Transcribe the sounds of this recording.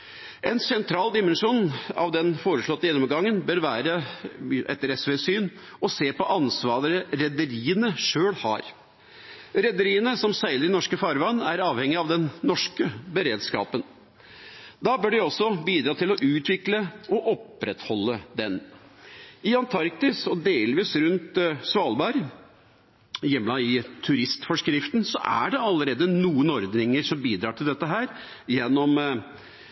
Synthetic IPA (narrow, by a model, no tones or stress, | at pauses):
ʔɛnsɛnt̪ʰɾɑːld̪ɪmɛnʂuːnɑ̰ʋd̪ɛnfoːɾəʂɭɔt̪ːəjɛnːɔmɡɑŋːənbœɾʋæːɾəʔɛ̰t̪ːəɾɛsʋeːsyːn | ɔseːpɔʔɑnsʋɑːɾəɾəɾɛd̪əɾiːənəʂøːɽhɑ̰ːɾ | ɾɛd̪əɾiːənəsɔmsæɪləɾɪnɔʂkəfɑɾʋɑnːæɾɑːʋhɛŋːɪɑʋd̪ɛnːɔʂkəbəɾeːd̪skɑ̰ːpən | d̪ɑbœɖɪɔsːɔbiːd̪ɾɑːt̪ɪlɔʔʉːt̪ʋɪkləɔʔɔpɾɛt̪hɔlːəd̪ɛn | ɪɑnt̪ʰɑɾk̚t̪ɪsɔd̪eːlʋiːsɾʉnt̪sʋɑːlbɑɾ | jɛmːlɑɪt̪ʰʉɾɪst̪fɔʂkɾɪft̪nsɔʔæ̰ɖɛɑlːəɾeːd̪ənuːənɔɾd̪nɪŋəɾsɔmbiːd̪ɾɑːʈʰɪld̪ɛt̪ːəɦæːɾ | jɛnːɔm